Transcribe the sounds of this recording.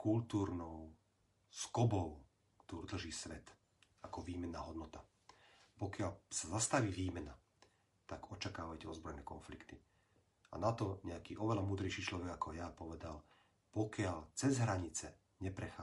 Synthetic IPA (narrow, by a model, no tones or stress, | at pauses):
kʰult̪uːɾnɔʊ | skɔbɔʊ | kt̪ɔɾud̪l̩ʒiːsʋɛt̪ | akɔʋiːmɛnːaːɦɔd̪nɔt̪a | pɔkɪalsazast̪aʋiːʋiːmɛna | t̪aɡɔt͡ʃakaːʋajcɛɔzbɾɔjnɛːkɔnflikt̪i | a̰nat̪ɔɲɛakiːʔɔʋɛlamuːd̪ɾɛjʃiːt͡ʃlɔʋɛɡakɔjapɔʋɛd̪al | pɔkɪalt͡sɛzɦɾaɲit͡sɛ | ɲɛpɾɛxaː